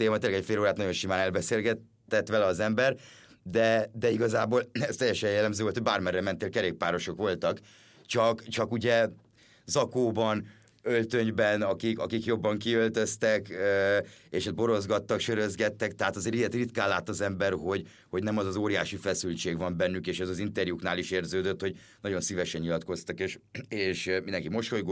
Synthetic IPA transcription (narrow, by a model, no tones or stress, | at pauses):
eːmɒt̪eːlːɛɡɛcfeːloːɾaːt̪nɒjo̞nʃimaːnɛlbɛseːlɡɛt̪ːɛt̪ʋɛlɛɒzɛmbɛr | d̪ɛd̪ɛiɡɒzaːboːlɛst̪ɛjːɛʃɛjjɛlːɛmzøːʋolt̪ʰoɟbaːrmɛrːɛmɛnt̪ːeːlkɛɾeːk̚paːɾo̞ʃo̞kʋo̞lt̪ɒk | t͡ʃɒkt͡ʃɒkuɟɛ | zɒkoːbɒn | ølt̪øɲbɛnɒkikɒkikjo̞bːɒŋkiø̞lt̪ø̞st̪ɛkøeːʃt̪̚bo̞ɾo̞zɡɒt̪ːɒkʃøɾøzɡɛt̪ːɛkt̪ɛɦaːt̪ɒzeːɾijɛt̪rit̪kaːlːaːt̪ɒzɛmbɛrho̞ɟ | ho̞ɟnɛmɒzɒzoːɾijaːʃifɛsylt͡ʃeːɡʋɒmbɛnːykeːʃɛzɒzint̪ɛrjuknaːliʃeːrzøːd̪øt̪ho̞ɟ | nɒɟo̞nsivɛʃɛɲɲilɒt̪ko̞st̪ɒkeːʃeːʃmind̪ɛŋkimoʃtho̞ɡ